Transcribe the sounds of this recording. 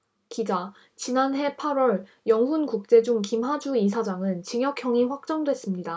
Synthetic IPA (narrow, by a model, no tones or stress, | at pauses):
kid͡ʑa | t͡ɕinanɦe̞pʰaɾwʌɭ | jʌŋɦunkuk̚t͡ɕ͈e̞d͡ʑuŋkimɦad͡ʑuisʰad͡ʑaŋɯnt͡ɕiŋjʌkʰjʌŋiɸwak̚t͡ɕ͈ʌŋdwe̞s͈ɯmɲida